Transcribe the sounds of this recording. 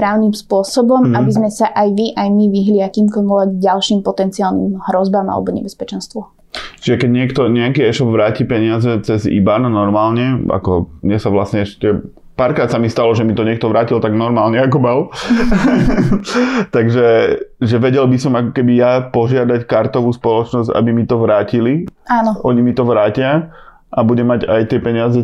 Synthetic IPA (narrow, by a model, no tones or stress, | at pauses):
pɾaːʊnimspʊɔsɔbɔmabizmɛsaʔajʋiʔajmiʋiɦliakiːmkɔlɔʋɛɡɟalʃiːmpɔt̪ɛnt͡siaːlnḭmɦɾɔzbama̰lɛ̰bɔɲɛ̰bɛspɛt͡ʃɛnst̪ʋɔ | t͡ʃiʒɛkɛɟɲɪɛkt̪ɔɲɛakiːɛʃɔbʋɾaːciːpɛɲɪazɛt͡sɛzḭbananɔɾmaːlɲɛa̰kɔmɲɛsaʋlasɲɛɛʃcɛ | paːɾkɾaːt̪samist̪alɔʒɛmit̪ɔɲɪɛk̚t̪ɔʋɾaːcilt̪aɡnɔɾmaːlɲɛak̬ɔmal | t̪aɡʒɛʒɛʋɛɟɛlbisɔmakɔ̥kɛbijapɔʒɪad̪ackaɾt̪ɔʋuːspɔlɔt͡ʃnɔzɟa̰bimit̪ɔʋɾaːciliaːnɔʔɔɲimit̪ɔʋɾaːcɪa | ʔabuɟɛmaɟajt̪ɪɛpɛɲɪazɛ